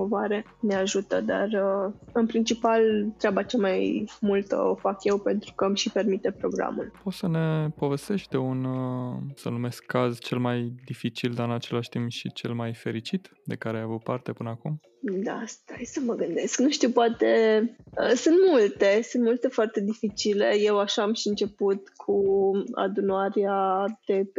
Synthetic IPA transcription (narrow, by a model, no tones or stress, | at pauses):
ovoaɾe̞ | neaʒut̪əd̪a̰rəɨnpɾint͡ʃipalt̪ɾʲabat͡ʃamajmult̪ə̰o̞fakje̞wpe̞nt̪ɾukəmʃipe̞rmit̪epɾo̞ɡɾa̰mṵlpo̞t̪səne̞po̞ve̞st̪e̞ʃt̪̚ʲd̪e̞un | sə̰nume̞skʰːazt͡ʃe̞lmajd̪ifit͡ʃild̪aɾɨnat͡ʃe̞laʃt̪impʃit͡ʃe̞lmajfe̞ɾit͡ʃit̪ | d̪e̞kaɾejavud̪̚part̪e̞pɨnəakum | d̪a̰st̪ajsəməɡɨnd̪e̞sknuʃt̪iwpoat̪e̞əsunt̪mult̪e̞sunt̪mult̪e̞foart̪e̞d̪ifit͡ʃile̞je̞waʃaːmʃiɨnt͡ʃe̞put̪kʰua̰d̪unaɾead̪̥e̞